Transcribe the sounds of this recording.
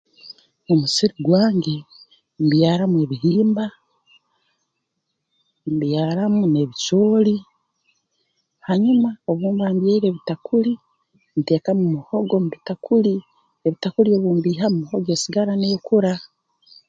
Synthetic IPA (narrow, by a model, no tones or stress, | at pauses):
omusiɾiɡwaːŋɡe̞ | mbjaːɾamue̞βiɦiːmba | mbjaːɾamune̞βit͡ʃoːli | haɲumao̞βuːmbaːmbjeiɾeːβitakuli | nte̞ːkamumuho̞ɡo̞muβitakʰuli | eβitakuɾio̞βuːmbiːɦamumuhoɡe̞ːsiɡaɾane̞ːkuɾa